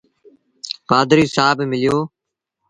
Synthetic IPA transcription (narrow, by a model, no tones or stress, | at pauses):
paːd̪ɾiːsaːbmɪlɪjoː